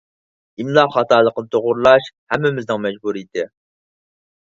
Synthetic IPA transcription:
imlˠɑχɑt̪ɑːlˠəqnɨt̪ʰoʁʊɾlˠɑʃhɛmːɪmɪznɪŋmɛd͡ʒbuɾid̪ɪ

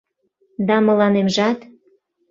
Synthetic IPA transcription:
d̪ɑmə̆lɑnemʒɑt̪

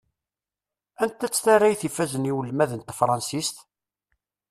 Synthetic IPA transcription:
ænt̪ːæt͡sːθarːæjθifæzəniwəlːmæðənt̪fɾˤɑnsist̪

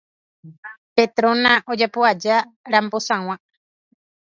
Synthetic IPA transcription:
pet̪ɾõnãʔod͡ʒapoad͡ʒa | ɾambosãw̃ã

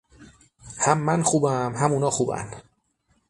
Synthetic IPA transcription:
hæmːænxuːbæmɦæmuːnɒːxuːbæ̰n

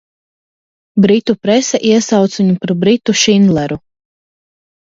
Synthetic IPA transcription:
bɾit̪upɾɛsɛʔiɛsɑwt̪suɲupaɾbɾit̪uʃind̪lˠɛɾu

